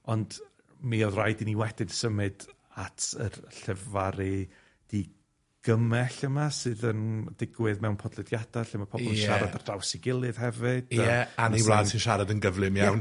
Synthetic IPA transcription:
ɔnd | miɔðrajdiniwɛd̥ɪdsəmɨd | atʰə̰rɬɛvaɾɨ | d̥i | ɡ̥əmɛɬəmasɨðəndɪɡwɨðmɛwnpʰɔdlˠɨdjadaɬɪmapʰɔbɔlˠənʃaɾadard̥awsɪɡɪlˠɨð̥hɛvɨd̥ɛaniwlaːsʰɨnʃaɾadənɡəvlˠɨmjaawn

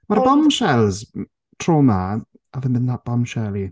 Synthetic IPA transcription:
marbɔmʃɛlˠz | tʰroːma | avənbɪnðat̚b̥ɔmʃɛlˠi

